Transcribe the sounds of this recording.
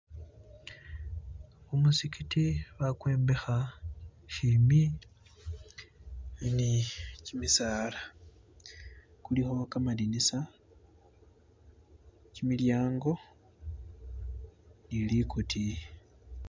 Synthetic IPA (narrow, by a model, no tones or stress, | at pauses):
umusikitiβakwe̞ːmbe̞xa | ʃimi | nicimisaːla | kulixo̞kamadinisa | cimiljaːŋɡo̞ | nilikutʰi